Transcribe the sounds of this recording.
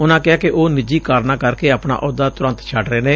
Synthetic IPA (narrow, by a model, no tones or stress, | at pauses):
ʊnãːkɪaːkɪʔoːnɪd͡ʒiːkaːɾnãːkəɾkeːəpna̰ːʔʊd̪aːt̪ʊɾə̃nt̪t͡ʃʰəɖɾəeːneː